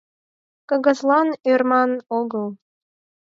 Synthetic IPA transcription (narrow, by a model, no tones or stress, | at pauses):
kɤ̆ɣə̆zlɑnørmɑnoɣəlˠ